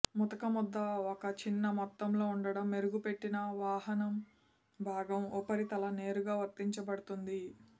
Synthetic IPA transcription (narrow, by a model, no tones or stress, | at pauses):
mɔt̪ɐkɐmɔd̪ːɐɔkɐt͡ʃinːɐmɔt̪ːɐmlo̞ːuɳɖɐɽɐmːeɾuɡupe̞ʈːinɐʋaːɦɐnɐm | bʱaːɡɐmɔpɐɾit̪ɐlɐne̞ːɾuɡaːʋɐɾt̪ːiɲt͡ʃɐbɐɽut̪und̪i